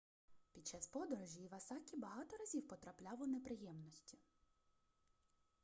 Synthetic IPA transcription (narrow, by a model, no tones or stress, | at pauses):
pʲid̪̚t͡ʃːɑspɔd̪ɔɾɔʒʲiːʋɐsɑkʲibɐɦɑt̪ɔɾɐzʲiwpɔt̪ɾɐplʲɑlˠɔnepɾɪjɛmnɔsʲtʲi̥